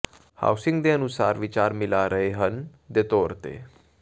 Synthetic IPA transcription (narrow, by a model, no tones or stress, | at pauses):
ha̰ːwsɪ̃ŋɡd̪eənʊsaːɾʋɪt͡ʃaːɾmɪlaɾəɦeɦənd̪et̪oːɾt̪ḛː